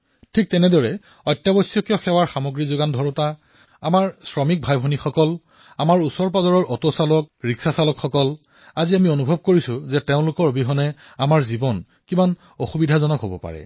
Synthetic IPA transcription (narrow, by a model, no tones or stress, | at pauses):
tʰik̚tɛnɛdɔɹɛ | ɔjtjabɔsjɔkjɔxɛwaɹxamoɡɹizʊɡandʱɔɹʊta | amaɹsɹɔmik̚bʱajbʱɔnixɔkɔl | amaɹusɔɹp̬azɔɹɔɹʔɔtosalɔk̚ɹiksasalɔkxɔkɔl | aziamionubʱɔb̚koɹisʊzɛteʊ̃lʊkɔɹbʱiɦɔnɛ | amaɹzibɔn | kiman | oxubidʱazɔnɔkɦobɔpa̰ɹɛ̰